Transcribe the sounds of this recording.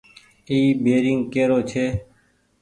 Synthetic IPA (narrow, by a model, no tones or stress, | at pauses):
iːbeːɾɪŋɡkeːɾoːt͡ʃʰeː